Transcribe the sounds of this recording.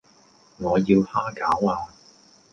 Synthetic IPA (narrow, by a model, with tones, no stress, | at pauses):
ŋɔː˨˧jiː˧whaː˥kaː˨˥waː˧